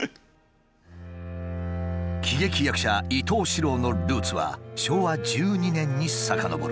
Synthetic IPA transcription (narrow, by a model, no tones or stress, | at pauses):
kʲʰiɡʲe̞kʲijakɯ̟ɕait̪o̞ːɕiɾo̞ːno̞ɾɯ̟ːt͡sɨβa̰ɕo̞ːβad͡ʑɨːɲ̟inẽ̞ɲ̟ːisakano̞bo̰ɾɯ